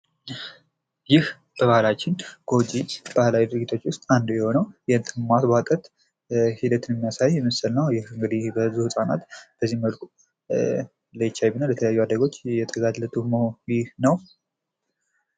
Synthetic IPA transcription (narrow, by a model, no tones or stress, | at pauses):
jɪh | b̥əβahlat͡ʃːɪnɡ̥o̞d͡ʒib̥ahlawid̪ɨɾɨɡit̪ʰo̞t͡ʃːwʊst̪ʼand̪ujɛho̞nəwjɛnt̪ʼʰɨmmat̪bat̪ʼət̪ | hid̪ət̪ʰɨnɛmːijasajːɛməsəlnəwjɪhɨŋɡɨd̪ibəzuhɨsʼana̰t̪b̥əzːihmːəlkʼu | ləjɪt͡ʃːajbinəwlɛt̪ʰələjajːuad̪əɡo̞t͡ʃːjɛt̪ʰəɡad̪lət̪ʰʼumojɪhnəw